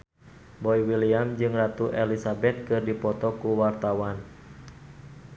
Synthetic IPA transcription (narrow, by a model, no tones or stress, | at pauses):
bɔiwiliamd͡ʒɨŋrat̪uʔɛlisabɛt̪̚kɨrdipɔt̪ɔkuwart̪awan